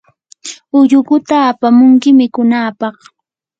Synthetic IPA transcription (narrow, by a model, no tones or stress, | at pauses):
ʊʎʊɢʊt̪aːpamʊŋkɪmɪkʊnaːpɑχ